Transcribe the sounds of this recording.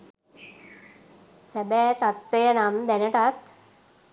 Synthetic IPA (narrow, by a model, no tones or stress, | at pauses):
sɛbɛt̪at̪ːəjənamd̪ɛnəʈat̪